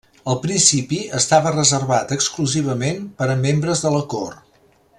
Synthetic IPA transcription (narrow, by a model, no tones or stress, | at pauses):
əlˠpɾinsipiəst̪aβərəzərβat̪əkskluziβ̞əmenpəɾəmembɾəzðələkor